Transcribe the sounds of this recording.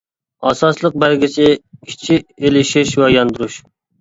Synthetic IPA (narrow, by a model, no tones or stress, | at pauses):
ɑsɑslˠəq̚bælɡʲisʰɪkʲʰi̥t͡ʃʰielɪʃɪʃwɛjɑnd̪uɾuʃ